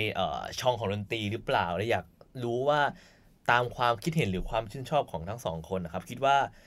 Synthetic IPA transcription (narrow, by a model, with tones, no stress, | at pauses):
jʔə̰ː˨˩t͡ɕʰɔː˧ŋkʰɔː˩˦ŋdo˧nt̪iː˧ɾɯː˦˥plaː˨˩wlɛː˦˥wjaː˨˩k̚ɾuː˦˥waː˥˩ | t̪aː˧mkʰwaː˧mkʰi˦˥t̪̚he˩˦nɾɯː˩˦kʰwaː˧mt͡ɕʰɯ˦˥˩nt͡ɕʰɔː˥˩p̚kʰɔː˩˦ŋt̪ʰa˦˥ŋsɔ̰ː˩˦ŋkʰo˧nʔa˧˩kʰa˦˥p̚kʰi˦˥t̪̚waː˥˩